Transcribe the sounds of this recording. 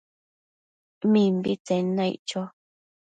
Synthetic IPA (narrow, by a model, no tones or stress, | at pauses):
mĩmbit͡sẽnãjʔt͡ʃo